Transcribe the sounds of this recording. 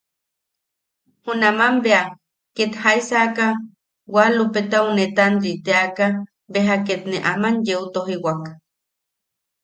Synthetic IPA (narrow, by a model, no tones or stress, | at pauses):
hunamambea | ket̪haisaka | walupet̪aunet̪and̪it̪eaka | beɦaket̪neʔamanjeut̪oɦiwak